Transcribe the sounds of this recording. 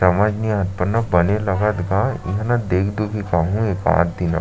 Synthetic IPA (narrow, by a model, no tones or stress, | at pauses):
ɐmaːd͡ʒniãːt̪̚pənnːabɐnelɐɡət̪ɡajɐɦnad̪eːkʰd̪uɡikaːɦũeːkã̰ːt̪d̪ina̰